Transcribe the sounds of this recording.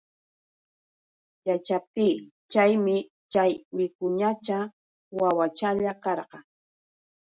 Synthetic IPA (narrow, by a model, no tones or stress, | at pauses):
jat͡ʃap̚t̪iː | t͡ʃajmɪ | t͡ʃajmɪkʊɲat͡ʃa | wawat͡ʃaʎakɑɾɢɑ